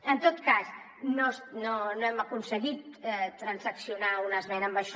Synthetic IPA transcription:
ənt̪ot̪kas | nosnonoɛməkunsəɣit̪ɛt̪ɾənzəksiunaunəzmɛnəmbəʃ

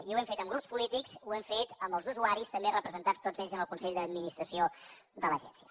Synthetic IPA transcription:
iuwɛmfet̪əmɡɾupspulit̪ikzuɛɱfet̪əmbəlˠzuzuaɾist̪əmberəpɾəzənt̪at͡st̪od͡zeʎzənəlˠkunsɛʎʲd̪əd̪minist̪ɾəsio | ðələʒɛ̰nsiə

